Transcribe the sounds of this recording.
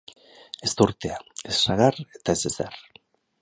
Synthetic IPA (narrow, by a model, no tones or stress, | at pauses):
e̞st̪uɾt̪eae̞sːaɣaret̪ae̞seser